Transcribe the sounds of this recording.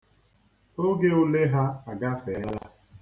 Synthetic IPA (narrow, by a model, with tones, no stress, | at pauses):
o˦ɡe˦ʊ˦le˦ɦa˦a˨ɡa˦fe˨˦la̰˦